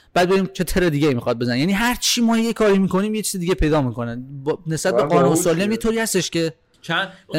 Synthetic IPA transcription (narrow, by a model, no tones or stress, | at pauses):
b̥æːd̪be̞ɾiːmt͡ʃʰe̞t̪ʰeɾed̪iːɡeiːmixɒːd̪̚be̞zænejæːniːɦæɾt͡ʃʰiːmɒːjejekʰɒːɾiːmiːko̞niːmjet͡ʃʰiːzed̪iːɟepʰe̞jd̪ɒːmiːko̞nænbne̞sbæt̪̚beɡɒːnunsɒːliæmjet̪ʰoɾiːhæst̪eʃce̞